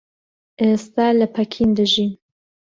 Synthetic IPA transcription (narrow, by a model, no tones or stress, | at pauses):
ʔeːst̪aːlɐpʰɐkʰind̪ɨʒiːn